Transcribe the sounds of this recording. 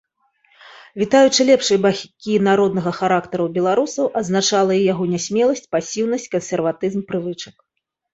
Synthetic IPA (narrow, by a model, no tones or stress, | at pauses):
vʲit̪ajut͡ʂɨlʲɛpʂɨjbaxʲkʲinaɾɔd̪nɐɣɐxaɾakt̪ɐɾuwbʲɛlˠaɾusɐwʔɐd̪znat͡ʂalˠɐijaɣɔnʲasʲmʲɛlˠɐsʲt͡sʲpasʲiwn̪ɐsʲt͡sʲkɐnsʲɛrvat̪ɨzmpɾɨvɨt͡ʂɐk